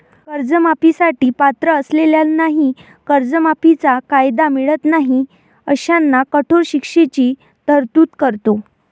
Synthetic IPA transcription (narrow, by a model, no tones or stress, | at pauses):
kəɾd͡zəmapisaʈiːpat̪ɾəːsleljalnaɦi | kəɾd͡zəmapit͡sakajd̪amiɭət̪naɦi | əɕanːakəʈʰoɾɕikʂet͡ɕiː | t̪əɾt̪uːt̪kəɾt̪o